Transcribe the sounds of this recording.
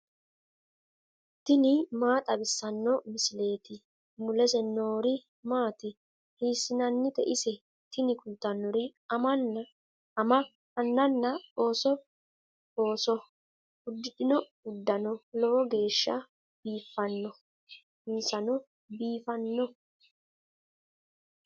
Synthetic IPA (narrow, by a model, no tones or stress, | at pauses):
t̪ɪnɪmaːt̪ʼɐbɪsːɐnːɔmɪsɪle̞ːt̪ɪ | mʊlɛsɛno̞ːɾɪ | maːt̪ɪ | hiːsːɪnɐnːɪt̪ɛʔɪsɛ | t̪ɪnɪkʊd̪ːɐnːɔɾɪɐmɐn | ɐmɐ | hɐnːɐnːɐoːsɔ | oːsɔ | ʊd̪ːɪɗɪnɔ | ʊd̪ːɐnɔlɔwɔɡe̞ːʃːɐ̰ | b̥iːfːɐnːɔ | mɪnsɐnɔ | biːfɐnːɔ